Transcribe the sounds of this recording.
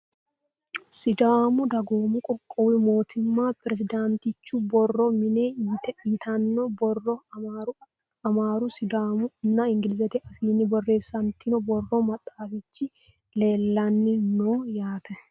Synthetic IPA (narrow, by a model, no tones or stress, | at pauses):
sɪd̪aːmʊd̪ɐɡoːmʊkʼɔkʼːɔwɪmo̞ːt̪ʰɪmːaːpɪɾɛs̬ɪd̪ant̪ɪt͡ʃːʊbɔrːɔmɪneːiːt̪ɛit̪ʰɐnːɔbɔrːɔaɾ | ɐmaːɾʊsɪd̪aːmʊɪnːɐɪŋɡɪlɪzɛt̪ɪʔɐfiːnːɪbɔrːe̞ːsːɐnt̪ɪnɔbɔrːɔmɐt̪ʼːaːfɪt͡ʃːɪ | le̞ːlːɐnːɪnoːjaːt̪ʰɛ